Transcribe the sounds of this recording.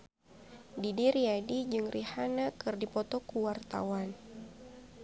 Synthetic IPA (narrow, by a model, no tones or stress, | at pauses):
didiɾiadid͡ʒɨŋrʔihanakɨrdipɔt̪ɔkuwart̪a̰wan